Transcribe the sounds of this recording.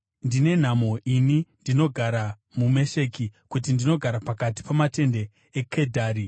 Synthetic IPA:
ndine̞n̤amo̞ʔinindino̞ɡʱaɾa | mume̞ʃe̞kikut̬indino̞ɡʱaɾapakati̥pamate̞nde̞ | ekʰedʱaːɾi

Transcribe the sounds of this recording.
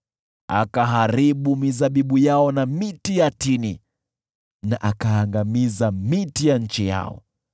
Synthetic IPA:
a̰kaɦaɾiɓumizaɓiɓujaɔnamitijatini | naʔakaːŋɡamizamitijaɲ̩t͡ʃija̰ɔ̰

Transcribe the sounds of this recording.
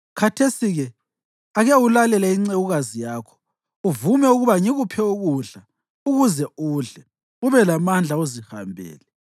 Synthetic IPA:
kʰatʰesiɣɛ | aɣɛwulalɛlaiŋ͡ǀɛɣuɣazijaːkʰɔ̥ | uvumɛuɣuβaŋiɣupʰɛuɣuɮa | uɣuzɛuːɮɛ | uβɛlamand͡ɮʱauziha̰mbʱɛ̰ːlɛ

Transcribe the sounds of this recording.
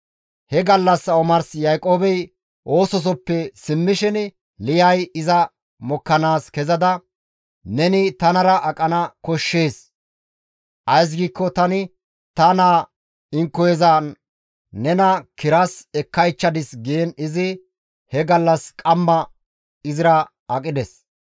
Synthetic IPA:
hɛɡɐlːɐsɐɔmɐɾsjajkʼoːbɛj | ʔo̞ːsɔs̬ɔpːɛsɪmːɪʃɪn | lɪjɐjɪzɐ | mɔkːɐnaːskɛzɐd̪ɐ | nɛnɪt̪ɐnɐɾɐʔɐkʼɐnɐkɔʃːeːs | ʔɐjs̬ɡiːkːɔt̪ɐnɪ | t̪ɐnaː | ɪŋkːɔjɛzɐ | nɛnɐkɪɾɐsɛkːɐjt͡ʃːɐd̪ɪsɡejɛnɪzɪ | hɛɡɐlːɐskʼɐmːɐ | ɪzɪɾɐ | ɐkʼɪd̪ɛs

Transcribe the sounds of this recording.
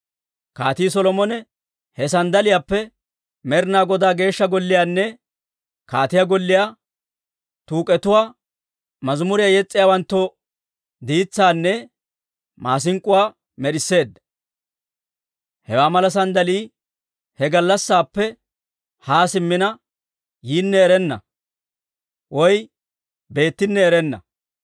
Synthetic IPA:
kaːt̪iːsɔlɔmɔnɛ | hɛsɐnd̪ɐlɪjaːpːɛ | mɛɾɪnaːɡɔd̪aːɡe̞ːʃːɐɡɔlːɪjaːnːɛ | kaːt̪ɪjaɡɔlːɪjaː | t̪uːkʼɛt̪ʊwaː | mɐzmʊɾɪjaːjɛt͡sʼːɪjaːwɐnt̪ːo | d̪iːt͡sːaːnːɛ | maːs̬ɪŋkʼːʊwaː | mɛɗɪsːe̞ːd̪ːɐ | hɛwaːmɐlɐs̬ɐnd̪ɐliː | hɛɡɐlːɐsːaːpːɛ | haːsɪmːɪnɐ | jiːnːɛːɾɛnːɐ̰ | wɔj | be̞ːt̪ːɪnːɛːɾɛnːɐ̰

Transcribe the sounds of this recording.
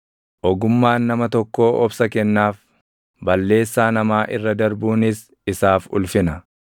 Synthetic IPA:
ʔɔɡʊmːaːnːɐmɐt̪ɔkːo̞ːʔɔbsɐkɛnːaːf | bɐlːe̞ːsːaːnɐmaːʔɪrːɐd̪ɐɾbuːnɪs | ɪsaːfʊ̰lfɪnɐ

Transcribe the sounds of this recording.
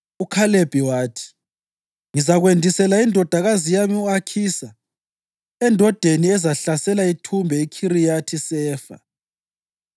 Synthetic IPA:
ukʰaleb̥ʱiwaːtʰi̥ | ŋizaɣwendʱisɛlaindʱɔd̥ʱaɣazijamiuakʰisa | ɛndʱɔd̥ʱeniɛzaɬasɛlaitʰumbʱɛikʰiɾijatʰisɛːfa̰

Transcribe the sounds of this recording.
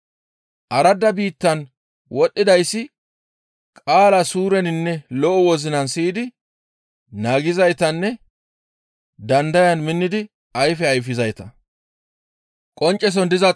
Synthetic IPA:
ʔɐɾɐd̪ɐbiːt̪ːɐn | wɔɗːɪd̪ɐjsːɪ | kʼaːlɐsuːɾɛnɪnːɛlɔʔɔwɔzɪnɐnsiːd̪ɪ | naːɡɪzɐjt̪ɐnːɛ | d̪ɐnd̪ɐjɐnmɪnːɪd̪ɪ | ɐjfɛɐjfɪzɐjt̪ɐ | kʼɔnt͡ʃʼːɛs̬ɔnd̪ɪzɐ

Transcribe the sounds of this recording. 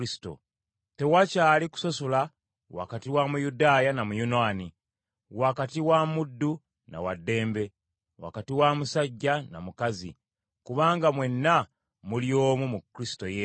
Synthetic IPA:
sto̰ | te̞wacaːliku̥sosola | wa̰katiwamujudaːjanamujunaːni | wakatiwamudːu | na̰wadːe̞ːmbe̞ | wa̰katiwamusaɟːana̰mukazi | kuβaːŋɡamwe̞nːa | muljo̞ːmumukːɾisi̥to̞je

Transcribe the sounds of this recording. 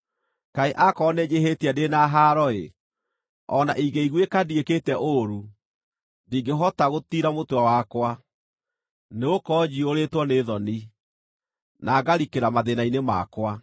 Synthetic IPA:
kaeʔakɔned͡ʒeɦetiadenaɦaɾɔḛ | ɔnaʔiɣeiɣwekadieketɛʔoɾu | diːɡeɦɔtaɣotiɾamotwawakwa | neokɔːd͡ʑioɾetwɔneðɔni | naɡaɾikeɾamaðenainema̰kwa

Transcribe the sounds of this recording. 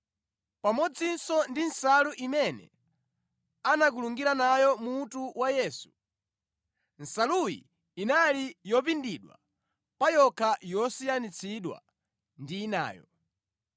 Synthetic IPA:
pamɔd͡zinsɔndinsaluʔimɛnɛ̰ | anak̬uluŋɡiɾanajɔmutuwajɛːsu̥ | n̩salujḭː | nalijɔpindiɗwa̰ | pajɔkʰajɔsijanit͡sʰiɗwa̰ | ndiːna̰ːjɔ̰

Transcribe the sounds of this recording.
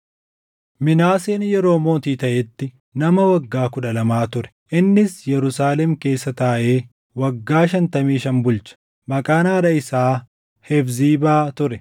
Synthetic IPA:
mɪnaːseːnjɛɾo̞ːmo̞ːt̪iːt̪ɐʔɛt̪ːɪ | nɐmɐwɐɡːaːkʊᶑɐlɐmaːt̪ʊɾɛ̥ | ʔɪnːɪsjɛɾʊsaːlɛmke̞ːsːɐt̪aːʔe̞ː | wɐɡːaːʃɐnt̪ɐmiːʃɐnbʊlt͡ʃɐ̥ | mɐkʼaːnaːɾɐɪsaː | hɛfziːbaːt̪ʊɾɛ

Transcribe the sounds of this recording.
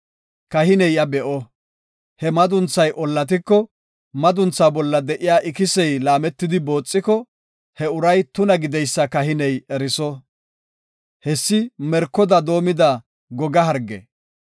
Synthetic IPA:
kɐɦɪnɛjɐbɛʔɔ | hɛmɐd̪ʊnt͡sːɐjʔɔlːɐt̪̬ɪkːɔ | mɐd̪ʊnt͡sːaːbɔlːɐd̪ɛʔɪjaːʔɪkɪsɛjlaːmɛt̪ːɪd̪ɪbo̞ːt͡sʼːɪkɔ | hɛʊɾɐjt̪ʊnɐɡɪd̪ɛjsːɐkɐɦɪnɛjɛɾɪsɔ | hɛsːɪmɛɾkːɔd̪ɐd̪o̞ːmɪd̪ɐ | ɡɔɡɐɦɐɾɡːɛ̰

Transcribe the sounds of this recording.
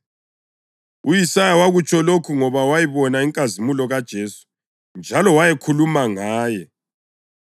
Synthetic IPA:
ujisajawaɣut͡ʃʼʰɔlokʰuŋɔβawajiβɔnaiŋkʼazimulɔɣad̥ʒ̥ʱeːsu̥ | nd͡ʒʱalɔwajekʰulumaŋaːjɛ

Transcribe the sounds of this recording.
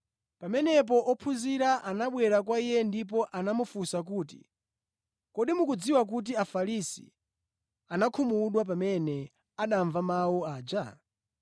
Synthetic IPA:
pamɛnɛp̬ɔʔɔpʰuziɾaʔanaɓwɛɾak̬waijɛndip̬ɔʔanamufusak̬uːtḭ | kɔɗimukud͡ziwak̬ut̬iafaɾisḭ | anakʰumuɗwap̬amɛnɛ | aɗaɱvamawɔaːd͡ʒa

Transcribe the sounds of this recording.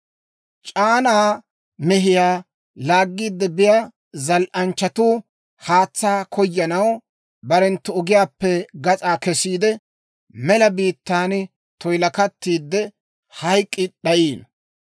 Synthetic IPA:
t͡ʃʼaːnaː | mɛɦɪjaː | laːɡːiːd̪ːɛbɪja | zɐlʔɐnt͡ʃːɐt̪uː | haːt͡sːaːkʰɔjːɐnɐw | bɐɾɛnt̪ːʊɔɡɪjaːpːɛɡɐt͡sʼaːkɛsiːd̪ɛ | mɛlɐbiːt̪ːaːn | t̪ɔjlɐkɐt̪ːiːd̪ːɛ | hɐjkʼːɪɗɐjiːn

